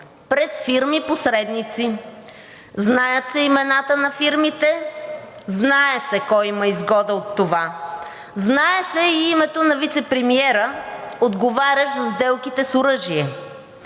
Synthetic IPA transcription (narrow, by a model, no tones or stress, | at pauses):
pɾɛsfiɾmiposɾɛd̪nit̪si | znajət̪sɛimɛnat̪ənɐfiɾmit̪ɛ | znaɛsɛkɔjimɐizɡɔd̪əot̪ːova | znaɛsɛiimɛt̪onɐvit̪sɛpɾɛmiɛɾəod̪ɡovaɾʲəʃzɐzd̪ɛlˠkit̪ɛsoɾɤʒiɛ